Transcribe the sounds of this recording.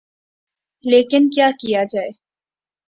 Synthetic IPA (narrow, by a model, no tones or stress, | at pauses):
leːkɪnkjaːkijad͡ʒaːeː